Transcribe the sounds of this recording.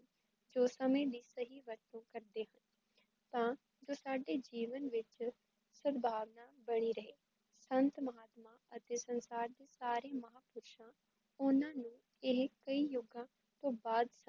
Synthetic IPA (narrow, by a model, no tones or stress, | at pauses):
d͡ʒoːsəmẽːd̪iːsəɦiːʋəɾt̪õːkəɾd̪eːɦən | t̪ãː | d͡ʒoːsaːɖeːd͡ʒiːʋənʋɪt͡ʃ | səd̪bʱaːʋnaːbəɽ̃iːɾəɦeː | sənt̪məɦaːt̪mãːət̪eːsənsaːɾd̪eːsaːɾeːməɦaːpʊːɾʃãː | ʊnãːnũː | ɪɦkəiːjʊɡãː | t̪õːbaːd̪s